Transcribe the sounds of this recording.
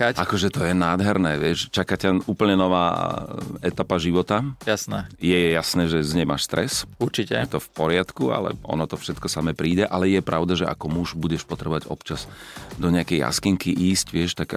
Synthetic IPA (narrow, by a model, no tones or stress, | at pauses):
ʔakɔʒɛt̪ɔjɛnaːd̪ɦɛɾnɛːʋɪɛʃt͡ʃakacauːpl̩ɲɛnɔʋa̰ː | ɛt̪apaʒiʋɔt̪ajasnɛːjɛjasnɛːʒɛzɲɛma̰ːʃst̪ɾɛsuɾt͡ʃicɛt̪ɔfpɔɾɪat̪kua̰lɛ̰ʔɔ̰nɔt̪ɔfʃɛt̪kɔsamɛːpɾiːɟɛʔalɛjɛpɾaʊd̪aʒɛʔa̰kɔmuʒbuɟɛʃpɔt̪ɾɛbɔʋaɟɔ̰pt͡ʃazd̪ɔɲɪakɛjja̰skiŋkiʔiːscʋɪɛʃt̪ak